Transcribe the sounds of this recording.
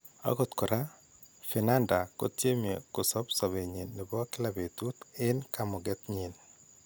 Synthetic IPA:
a̰˦ɡo˦t̪kɔ˨ɾa˦ | fɪ˨na˦nda˨ko̰˦tje˦me˨kʊ˨sɔ˦psɔ˨βe˨ɲi˨nːɪ˨bɔ˦kɪ˦la˨be˨t̪u˦t̪ɪ˦nka˨mɔ˨ɡɛ˦t̪ɲi˨n

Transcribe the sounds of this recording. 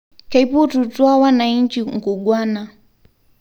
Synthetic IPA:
ka˨ipu˦tu˨twa˦wa˦na˨i˦ɲt͡ʃi˨ŋ̩˨ku˨ɡwa˦na˨

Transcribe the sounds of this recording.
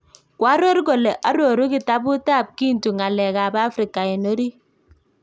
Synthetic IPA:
kwa˦ɾɔ˦ɾɡo˨lɛ˨ʔa˦ɾo˨ɾu˦ki˦˨ta˦bʊ˦ta˦˨p̚ki˦n˨tu˨ŋa˨lɛ˨ka˨ba˦fɾi˨ka˨ɛ˨no˦ɾi˦

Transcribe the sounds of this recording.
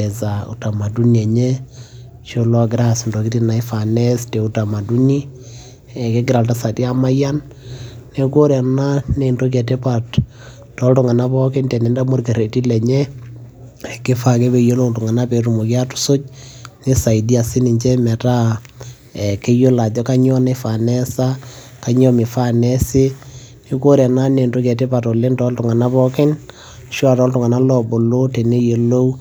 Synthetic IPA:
ɛ˨za˨ṵ˨ta˨ma˨du˦niɛ˨ɲɛ˦ | t͡ʃo˦lɔ˦ɡɪ˨ɾa˦˨sndo˨ki˦ti˦na˨i˦fa˨nɛ˦ste˨u˦ta˨ma˨du˦ni˦ | ɛ˨ke˦ɡɪ˦ɾa˨lta˦sa˨ti˦a˦ma˦ja˦n | ne˨ko˦ɾɛ˨na˦ne˨ndo˦k̬ɛ˨te˦pa˨t | tɔ˦ltʊ˨ŋa˨na˦pɔ˦ke˦ndɛ˨nɛ˨˦nda˦mo˦rke˨ɾe˨ti˦lɛ˨ɲɛ˦ | ɛ˨kɪ˦fa˨kɛ˦pe˨je˦lo˦wtʊ˨ŋa˨na˦pe˨tu˨mo˨kja˦tu̥˨so˦t͡ʃ̚nɪ˦sa˨i˨di˦a˨sɪ˦nɪ˨ɲt͡ʃɛ˦mɛ˨ta˦ | ɛ˨ke˦jo˦la˨d͡ʒɔ˦ka˦ɲɔ˦ne˦fa˨nɛ˦sa˦ | ka˨ɲɔ˦mɪ˨fa˦nɛ˦sɪ˦ | nɪ˦ko˦ɾɛ˨na˦ne˨nto˦kɛ˨tɪ˦pa˨tɔ˨lɪ˦ntɔ˦ltʊ˨ŋa˨na˦pɔ˦kɪ˦n | ʃʊ˦a˨tɔ˦ltʊ˨ŋa˨na˦lɔ˨bo˨lo˦te˨ne˦je˨lo˦w

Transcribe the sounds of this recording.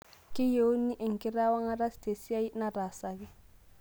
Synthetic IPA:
kɪ˦je˨o˦ni˦ʔɛ˨ŋ˨kɪ˦ɾa˦wa˦ŋa˦ɾa˦ste˨si˦a˦i˦na˦ɾa˨sa˨kɪ˦

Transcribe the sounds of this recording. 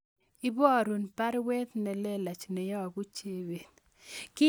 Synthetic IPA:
i˦bɔ˦˨ɾu˨npa˦ɾwe˦t̪nɛ˨lɛ˦la˨t͡ʃnɛ˨jɔ˦˨ɡu˦t͡ʃe˦we˨t̪ | kɪ˦

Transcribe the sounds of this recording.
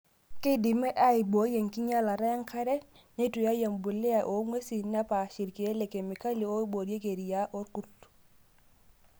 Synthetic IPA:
ki˦di˨me˦ʔa˦i˨bo˨˦je˨ŋki˦ɲa˦la˨ɾa˦ja˦ŋka˦ɾe˦ | ne˦tu˨ja˦ja˨mbu˨le˦a˨ʔo˨ŋwe˦si˨na˦pa˨ʃi˨ɾki˨e˦le˨ke˨mi˨ka˦li˨o˦i˦bo˨dje˦ke˨ɾi˨ja˦ʔo˦ɾku˦t

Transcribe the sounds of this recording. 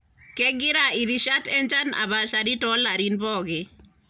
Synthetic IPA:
kɛ˦ɡɪ˦ɾai˨ɾi˦ʃa˦tɛ˦nd͡ʒa˦na̰˨ba˨ʃaɾi˦tɔ˦la˨ɾinpɔ˦ɡe˨

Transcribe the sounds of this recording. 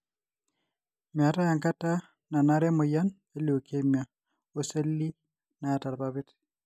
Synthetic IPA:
mja˨ta˦ja˨ŋka˦ta˦ | na˨na˦ɾɛ˦mʊ˨ja˦n | e˦lo˨ke˦mja˨ | o˦se˦lːi˦ | na˨a˨ta˨ɾba˦βe˦t

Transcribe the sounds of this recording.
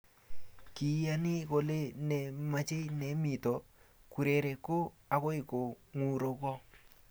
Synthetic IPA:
ki˨ja˦nɪ˦ko˨le˦nɛ˨ma˦t͡ʃe˦nɛ˨˦mi˨tɔ˨ku˨ɾe˨ɾɛ˨ko˦ | a˨ko˦ɪ˨ko˨ | ŋu˨ɾo˨kɔ˦

